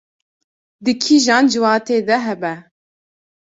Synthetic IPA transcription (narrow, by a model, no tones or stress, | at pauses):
d̪ɨkʰiʒɑːnd͡ʒɨwɑːt̪eːd̪ɛɦɛbɛ